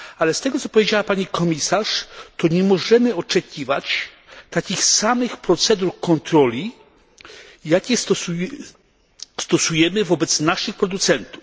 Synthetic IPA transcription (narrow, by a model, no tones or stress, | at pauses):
alɛst̪ɛɡɔt̪sɔpɔvjed͡ʑawapaɲikʰɔmʲisaʂt̪ɔɲɛmɔʐɛmɘɔt͡ʂɛkʲivat͡ɕ | t̪akʲixsamɘxpɾɔt̪sɛd̪uɾkɔnt̪ɾɔlʲi | jakʲɛsu | st̪ɔsujɛmɘvɔbɛt̪snaʂɘxpɾɔd̪ut̪sɛnt̪uf